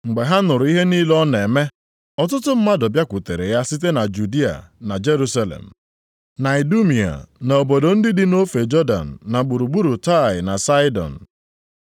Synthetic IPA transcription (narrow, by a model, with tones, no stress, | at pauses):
ŋ͡m̩˨ɡ͡be˨ɦa˦nʊ˨ɾʊ˨˦i˦ɦe˦niː˦lɔ˦ne˨me˦ | ɔ˨tʊ˦tʊ˦m̩˦ma˦dɔ˨bja˦kʷʊ˨te˨ɾe˨ja˦si˦te˦na˨d͡ʒu˨di˦a̰˨na˨d͡ʒe˦ɾu˦sa˦lḛ˨m̩˨ | na˨ɪ˨du˦mi˨a̰˨n˨o˨bo˨do˨n̩˦dɪ˦dɪ˦no˦fe˨d͡ʒɔ˦da̰˨n̩ː˨a˨ɡ͡bu˨ɾu˨ɡ͡bu˦ɾu˨ta˦˨ɪ˨na˨sa˦ɪ˦dɔ̰˨n̩˨